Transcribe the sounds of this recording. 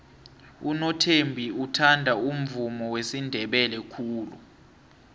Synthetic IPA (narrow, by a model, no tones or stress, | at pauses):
unɔtʰembʱiutʰandʱaum̩vumɔwesindʱɛɓɛlɛkʰuːlṵ